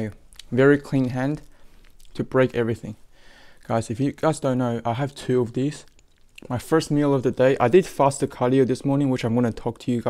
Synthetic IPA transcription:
vɛɹikʰl̥ĩnɦæ̃n | tʰɨbɹeɪkɛvɹiθɪ̃ŋɡ̥aɪzɨfjɨɡ̥aɪzdõʊ̃nːoʊʔaɪɨv̥tʰʉʌvðiz̥ | maɪfɜ˞st̚milˠʌvðɨdeɪʔa̰ɪdɨd̥fæst̚ɨkʰɑɾioʊðɪsmɔɹnɪ̃ŋwɨt͡ʃãɪ̃mwɑnɨtʰɔk̚tʰɨjɨɡa

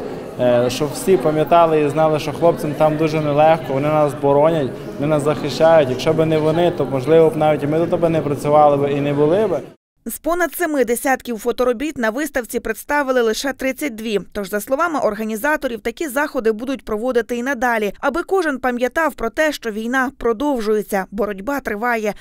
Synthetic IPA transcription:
ʃt͡ʃɔwsʲipɐmʲjɐt̪ɑlˠɪiznɑlˠɪʃt͡ʃɔxlˠɔp̚t͡sʲɪnt̪ɑmd̪uʒɛnɛlˠɛxkɔʋɔnɪnɑsːbɔɾɔnʲɐtʲ | ʋɔnɪnɑszɐxɪʃt͡ʃajʊtʲjɐkʃt͡ʃɔbɪnɛʋɔnɪt̪ɔmɔʒlˠɪʋɔnɑʋʲitʲimɪd̪ɔt̪ɔbɛnɛpɾɐt͡sʲʊʋɑlˠɪbɪinɛbʊlˠɪbɪ | zpɔnɐd̪semɪd̪esʲat̪kʲiwfɔt̪ɔɾɔbʲit̪nɐʋɪst̪ɐwt͡sʲipɾɪt̪st̪ɑʋɪlˠɪlˠɪʃɛt̪ɾɪt͡sʲːɐt̚ʲd̪ʋʲit̪ɔʒzɐslˠɔʋɑmɪʔɔrɦɐnʲizɑt̪ɔɾʲiwt̪ɐkʲizɑxɔd̪ɪbud̪ʊtʲpɾɔʋɔd̪ɪt̪ɪinɐd̪ɑlʲiɐbɪkɔʒɪnpɐmʲjɐt̪ɑwpɾɔt̪ɛʃt͡ʃɔʋʲijnɑpɾɔd̪ɔwʒʊjet͡sʲːɐbɔɾɔdʲbɑt̪ɾɪʋɑjɛ

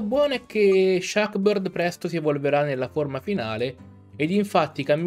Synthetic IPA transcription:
bːwɔːnoɛkʰːeʃːakberd̪pɾɛst̪osievolveɾanːelːaformafinaːleː | d̪iɱfat̪ːikamː

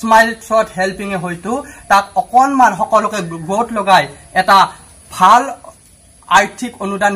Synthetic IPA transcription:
smajltʰɹɔthɛlpiŋɛɦojtʊtak̚ɔkɔnmanxɔkɔlɔkɛɡɹotlɔɡaj | ɛta | bʱal | aɹtʰikonudan

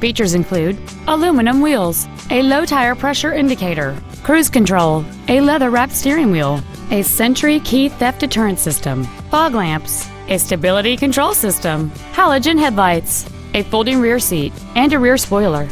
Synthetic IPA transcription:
fit͡ʃə˞zɨ̃nkʰl̥ʉɾ | əlũmɨnə̃mwilˠz̥ | ʔɨloʊtʰaɪə˞pʰɹ̥ɛʃə˞ɪ̃ndɨkʰeɪɾə˞ | kʰɹ̥ʉz̥kɨ̃ntʰɹ̥oʊlˠ | ɨlɛðə˞ɹæpstɪɹɪ̃ŋwilˠ | ɨsɛ̃nt͡ʃə˞ikʰiθɛfd̥ɨtʰɜ˞ɨ̃ntsɪstə̰̃m | fɔɡlæ̃mps | ɨstɨbɪlˠəɾikɨ̃ntʰɹ̥oʊlˠsɪstə̃m | hælˠəd͡ʒɨ̃nɦɛdlaɪts | ɨfoʊlˠdɪ̃ŋɹɪɹsiɾ | ɨ̃nɨɹɪɹspɔɪlˠə˞

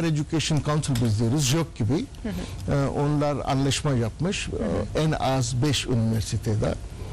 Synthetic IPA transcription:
ɾed͡ʒ̪ucʲeʃonkʰawnsilʲbizlʲiɾizjok̚ɟibi | onlˠaɾa̰nlˠaʃmajapmɯʃɛnazbɛʃy̰niveɾsit̪ʰed̪ɛ̰

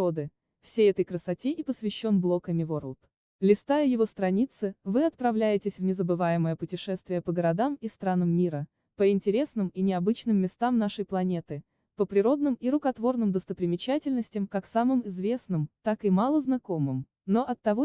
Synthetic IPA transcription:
od̪ɨ | fsʲejɛt̪əjkɾəsɐtʲeʔipəsvʲɪɕːo̞nblˠo̞kəmʲɪvoɾlˠt̪ | lʲɪst̪ajəjɪvo̞st̪ɾɐnʲit̪sɨvɨɐt̪̚pɾɐvlʲæjɪtʲɪsʲvnʲɪzəbɨvajɪməjəpʊtʲɪʂɛst̪vʲɪjəpəɡəɾɐd̪amist̪ɾanəmːʲiɾə | pəɪnʲtʲɪɾʲe̞snɨminʲɪɐbɨt͡ɕnɨmːʲɪst̪amnaʂəjplˠɐnʲe̞t̪ɨ | pəpɾʲɪɾo̞d̪̚nɨmiɾʊkɐt̪vo̞rnɨmd̪əst̪əpɾʲɪmʲɪt͡ɕætʲɪlʲnəsʲtʲɪmkaksamɨmɪzvʲe̞snɨmt̪akɨmalˠəznɐko̞mɨm | no̞ʔɐt̪ːɐvo

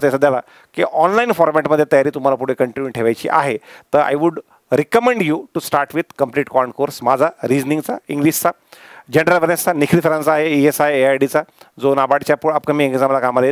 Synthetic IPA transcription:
t͡sesad̪jala | kiʔɔnlainfɔɾmɛʈməd̪ʱːjet̪əjaɾiːt̪um̤alap̬uɽ̤ekəɳʈinjuʈʰeʋajt͡ɕḭːʔa̰ɦet̪əɾa̰jʋuɽ | ɾekəmẽɳɖjuʈusʈaɾʈʋid̪̚kəmpliːʈkɔɳɖkoɾsmad͡zʱaɾid͡znĩŋɡt͡sa̰iŋɡlist͡sa | d͡ʑenəɾəlʋəɾẽst͡sanikʰlifɾãnt͡saːɦeiesaɦeːajɖit͡sad͡zonabaɽt͡ɕjapuɽapkamiːeŋɡisaməlakamale

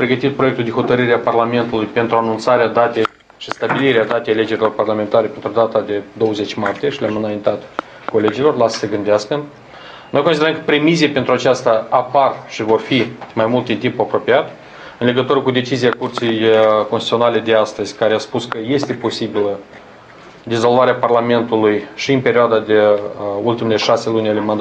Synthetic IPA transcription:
mpɾe̞ɡət̪it̪̚pɾoe̞k̚t̪uld̪exo̞t̪əɾɨɾeaparlame̞nt̪ulujpe̞nt̪ɾuanunt̪saɾead̪at̪e̞j | ʃist̪abiliɾead̪at̪e̞jale̞d͡ʒe̞ɾilo̞rparlame̞nt̪aɾe̞pe̞nt̪ɾud̪at̪ad̪e̞d̪o̞wəze̞t͡ʃʲmart̪ijeʃileamɨnajint̪at̪ | ko̞le̞d͡ʒilo̞rlasə̥səɡɨnd̪easkən | no̞jkonsid̪ɾəmkə̥pɾe̞miziepe̞nt̪ɾuat͡ʃast̪aaparʃivo̞rfimajmult̪d̪int̪impuapɾo̞piat̪ | ɨnle̞ɡət̪uɾəkud̪e̞t͡ʃiziakurt̪sijkost̪i̥t̪sʲio̞nale̞d̪e̞ast̪əz̥ʲkaɾeaspuskəje̞st̪e̞po̞sibilə | d̪izo̞lvaɾeaparlame̞nt̪ulujʃiɨnpe̞ɾʲioad̪ad̪e̞ult̪imele̞ʃase̞lunʲale̞mand̪a

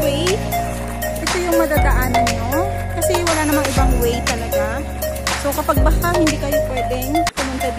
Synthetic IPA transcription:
wɛj | ʔɐsɛjʊŋmɐd̪aːd̪ɐʔaːnɐnɲo̞ | kɐsɛwɐlaːnɐmaŋʔɪbaŋwɛjt̪ɐlɐɡa | sowkɐpaɡ̚bɐhahɪnd̪iːkɐjopwɛːd̪ɛŋkɐmʊnt̪ad̪

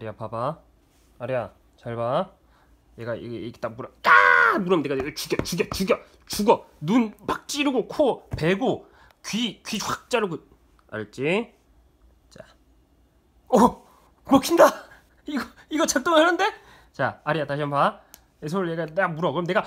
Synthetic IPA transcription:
aɾiapabaː | ɾija | t͡ɕaɭba | jeɡaḭɡeiɡe̥t͈ak̚muɾʌtamuɾʌmneɡaet͡ɕuɡat͡ɕuɡat͡ɕuɡjʌ | t͡ɕuɡʌ | nunpak̚t͡ɕ͈iɾɯɡokʰope̞ɡo | kɥikɥiwak̚t͡ɕ͈aɾɯɡɯ | a̰ɾɯt͡ɕ͈i | t͡ɕa | ʌ | mokʰinda | iɡʌiɡʌt͡ɕaɭt͈oŋanɯnde̞ | t͡ɕaːɾiataɕʰiampa | esʰoɯɭjeɡaneɡamuɾʌkɯɾʌmneɡa

